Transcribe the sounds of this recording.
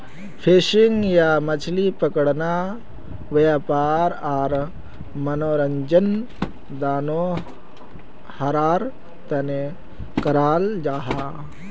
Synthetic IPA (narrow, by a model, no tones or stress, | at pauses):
pʰeːʃiŋɡjaːmɐt͡ʃʰlipɐkəɽna | ʋjaːpaːɾaːɾ | mɐnoːɾɐɲd͡ʒɐn | d̪aːnoː | hɐɾaːɾ | t̪ɐne | kɐɾaːld͡ʒaːɦaː